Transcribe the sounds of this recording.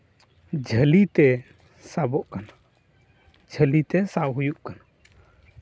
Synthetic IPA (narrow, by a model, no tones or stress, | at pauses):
d͡ʒʱəlit̪ɛ | sabɔʔkana | d͡ʒʱəlit̪ɛsawɦujuʔkana